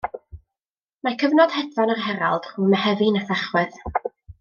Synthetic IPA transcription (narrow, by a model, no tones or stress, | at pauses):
makʰəvnɔd̥hɛdvɔnarɦɛɾalˠd̥r̥uːmɛhɛvɨnaθaχwɨð